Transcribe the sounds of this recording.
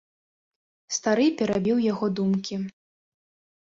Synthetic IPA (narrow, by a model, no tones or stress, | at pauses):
st̪aɾɨpʲɛɾabʲiwjaɣɔd̪umkʲi